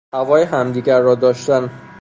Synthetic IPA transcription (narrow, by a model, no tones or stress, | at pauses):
hævɒːjeɦæmd̪iːɡæɾːɒːd̪ɒːʃt̪æn